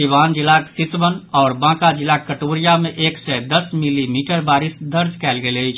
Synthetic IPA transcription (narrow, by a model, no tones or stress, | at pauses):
iʋaːnd͡ʒilaksisʋənɔːɾbãːkad͡ʒilakːəʈoːɾijameʔeːksɛd̪əsmilimiʈəɾbaːɾisd̪əɾd͡ʒkɛːlɡeləɪt͡ʃʰ